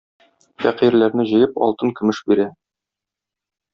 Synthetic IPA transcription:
fæqiɾlæɾnɘʑɤ̆jɤpɒ̰lˠt̪ɤŋkɵ̆mɘʃbiɾæ

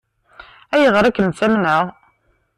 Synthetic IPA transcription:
æjəʁɾˤækːənsæmnəʁ

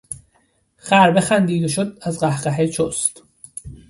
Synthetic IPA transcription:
xæɾbexænd̪iːd̪oʃod̪̚æzɢæhɢæɦet͡ʃʰost̪

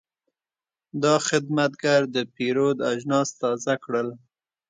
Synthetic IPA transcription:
d̪ɑxɪd̪mat̪̚ɡaɾd̪əpiɾod̪aʒnɑst̪ɑzakɽəl

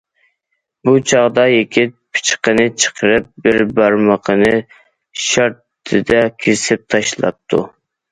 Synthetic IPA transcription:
but͡ʃʰɑʁd̪ɑjekʲɪt̪̚pʰɪ̥t͡ʃqənɨt͡ʃʰə̥qʰəɾɨp̚bɪɾbæɾməqʰənɨ | ʃɑɾt̪ʰɨd̪ɛkʲʰisɪp̚t̪ʰɑʃlˠɑ̰p̚t̪ʰːṵ

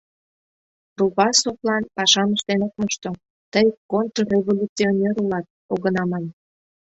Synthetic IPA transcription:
ɾuβɑsoklɑnpɑʃɑməʃt̪enok̚moʃt̪o | t̪əjkont̪rorʲeβolʲut͡sionʲeɾulɑt̪̚oɣənɑmɑn

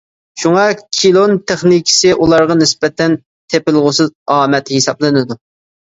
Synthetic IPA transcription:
ʃuŋɑkʲʰilˠont̪ʰeχnikʲʰɪ̥sɪʔulˠɑɾʁɑnɪsbɛt̪ʰɛn | t̪ʰepɪlˠʁʊsɨzɑːmɛt̪hisɑblˠɨnɪd̪u

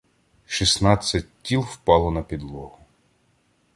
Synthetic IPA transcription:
ʃisnɑt͡sʲːɐt̚ʲtʲːilˠwpɑlˠɔnɐpʲid̪lˠɔɦʊ

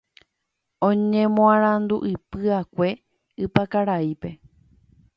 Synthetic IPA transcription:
õɲẽmõãɾ̃ãnd̪uʔɨpɨakʷe̞ | ɨpakaɾaipe̞

